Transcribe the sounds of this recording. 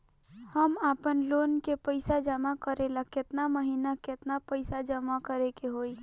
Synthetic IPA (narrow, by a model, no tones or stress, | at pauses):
həmaːpənloːnkepəɪsad͡ʒəmakəɾelakɪt̪naməɦiːnakɪt̪napəɪsad͡ʒəmakəɾekeɦoːi